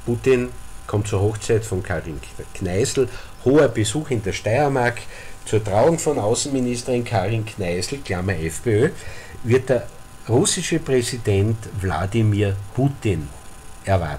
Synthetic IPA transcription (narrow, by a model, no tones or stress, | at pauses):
puːtɪnkʰɔ̃mtt͡suːɐɦɔxt͡sæɪtfɔ̃nkʰaʁɪnkʰnæɪsl̩ | hoːɐb̥əzuːxɪndeɐʃtæɪɐmaɐktt͡suːɐtʁaʊʊŋfɔnaʊsn̩ministəʁɪnkʰaːʁɪnkʰnæɪzl̩klaːmɐɛfpeøːvɪɐt̚d̥eɐ | ʁʊsɪʃəpʁɛzid̥ɛntvla̰dimiːɐputɪn | ʔɛɐva̰ɐt